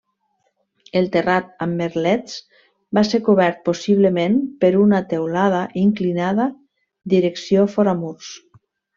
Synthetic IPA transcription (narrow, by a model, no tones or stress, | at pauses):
elˠt̪erat̪̚amːeɾlɛt͡s | baseɾkuβɛɾt̪̚posiβləmempəɾunat̪ewlað̞aʔiŋklinaða | d̪iɾeksiofɔɾamuɾs